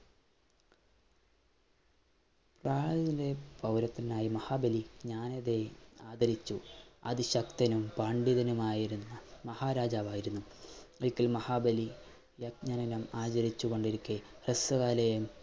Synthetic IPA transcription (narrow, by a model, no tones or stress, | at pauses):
praːɻðilepɐwɾɐt̪ːɐnaːjimɐhaːbɐliɲaːnɐðeaːd̪ɐɾit͡ɕːuɐ̰ðiɕɐkt̪ɐnumpaːɳɖiðɐnumaːjiɾunːɐmɐhaːɾaːd͡ʑaːʋaːjiɾunːuɐɭkːilmɐhaːbɐli | jɐkɲanɐnɐmaːt͡ɕɐɾit͡ɕːuɣo̞ɳɖiɾukʲːeresɐɣaːlɐjɐm